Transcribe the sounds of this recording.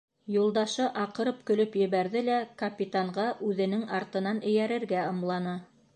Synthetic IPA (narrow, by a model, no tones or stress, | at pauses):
julˠd̪ɑʃɤʔɑqɤ̆ɾɤp̚kɵ̆lɵpjɘ̆βæɾðɘlækɐpʲit̪aɴʁɑʔʉðɘ̆nɘŋɑɾt̪ɤ̆nɑnɘ̆jæɾɘ̆ɾɡæɤ̆mlˠɑnɤ